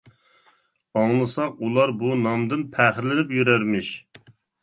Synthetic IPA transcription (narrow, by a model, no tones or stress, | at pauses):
ɑŋlˠɨsɑqulˠɑɾbunɑmd̪ɨnpʰæːχɪɾlɪnɪpjyɾæɾmɪʃ